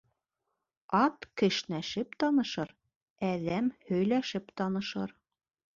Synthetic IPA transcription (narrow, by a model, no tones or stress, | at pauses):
ɑt̪kɘ̆ʃnæʃɘpt̪ɒnɤ̆ʃɤɾ | æðæmhɵ̆jlæʃɘpt̪ɑnɤ̆ʃɤɾ